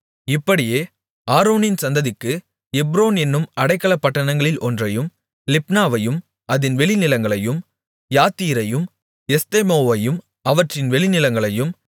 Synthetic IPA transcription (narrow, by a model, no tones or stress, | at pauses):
ɪpːɐɽɪjeː | aːɾoːnɪnsɐnd̪ɐðɪkːɯ | ɛbɾoːnɛnːɯmɐɽɐɪkːɐɭɐpːɐʈːɐnɐŋɡɐɭɪlɔndrɐjɯm | lɪpnaːʋɐjɯm | ɐðɪnʋɛɭɪnɪlɐŋɡɐɭɐjɯm | jaːt̪ːiːɾɐjɯm | ɛst̪eːmoːʋɐjɯm | ɐʋɐʈrɪnʋɛɭɪnɪlɐŋɡɐɭɐjɯm